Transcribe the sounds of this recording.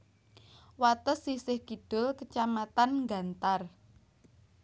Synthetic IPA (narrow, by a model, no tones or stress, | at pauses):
wat̪əsːisɪhɡ̥iɖ̥ʊ̤lkət͡ʃamat̪anŋɡa̤nt̪ar